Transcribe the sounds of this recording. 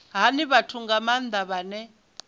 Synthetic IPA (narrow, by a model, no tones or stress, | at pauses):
ɦaniβatʰuŋɡamand̪ʱaβanɛ